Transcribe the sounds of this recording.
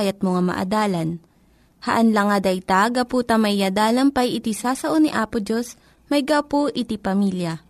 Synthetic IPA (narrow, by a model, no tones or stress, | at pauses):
jɐt̪̚moŋamɐ̰ʔɐ̰d̪aːlɐn | hɐʔɐnlɐŋad̪ɐjt̪aɡɐpuːt̪ɐmɐjːɐd̪aːlɐnpɐjɪt̪ɪsaːsɐʔonɪʔaːpʊd͡ʒos | mɐjɡawpoʔɪt̪ipɐmiːljɐ